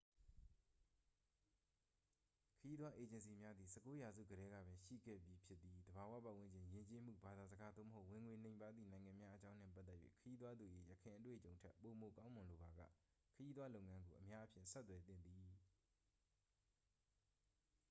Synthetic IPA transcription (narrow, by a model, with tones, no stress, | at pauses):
kʰəji˦t̪wa˦ʔe˨d͡ʑɪ̃˨ns̬i˨mja˦d̪ði˨sʰɛ˦˨kːo˦ja˨zṵ˦˨ɡəɾɛ˦ɡä̰˦˨bɪ̃˨ʃḭ˦˨ɡɛ̰˦˨bji˦pʰjɪ˦t̪ːi˨d̪əba˨wä̰˦˨pã˨wɪ̃˦ɲd͡ʑɪ̃˨jɪ̃˨ɲt͡ɕe˦m̥ṵ˦˨ba˨d̪a˨zəɡa˦d̪o̰˦˨məɦo˦ʊʔwɪ̃˨ŋwe˨nẽ˨ɪ̃pa˦d̪ðḭ˦˨nã˨ɪ̃ŋã˨mja˦ʔə˦t͡ɕã˦ʊ̃n̥ɛ̰̃˦˨p̬a˦t̪ːɛ˦ʔjʔḛ˦˨kʰəji˦t̪wa˦d̪u˨jḛ˦˨jə˨kʰɪ̃˨ʔət̬wḛ˦˨ət͡ɕõ˨ʊ̃ntʰɛ˦pːo˨mo˨kã˦ʊ̃mʊ̃˨lo˨ba˨ɡä̰˦˨ | kʰəji˦td̪wa˦lo˦ʊʔŋã˦ŋɡo˨ʔəmja˦ʔpʰjɪ̰̃˦˨nsɛ˦t̪t̪ːwɛ˨t̪ɪ̰̃˦˨nd̪i˨